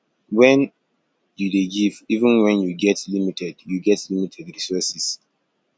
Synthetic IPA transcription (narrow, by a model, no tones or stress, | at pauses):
wɛ̃n | judeɡivivə̃nwɛ̃njuɡɛtlimitʰɛdjuɡɛtlimitʰɛdɹisɔsis